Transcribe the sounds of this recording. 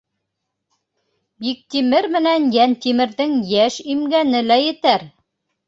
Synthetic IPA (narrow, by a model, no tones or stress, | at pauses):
bik̚t̪imɘɾmɘ̆nænjænt̪imɘ̆ɾðɘŋjæʃimɡænɘlæjɘ̆t̪æɾ